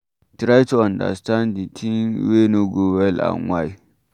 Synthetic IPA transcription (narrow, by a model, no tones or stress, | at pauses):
tɾajtuãnda̰stãnditʰiŋwenoɡowɛla̰nwaj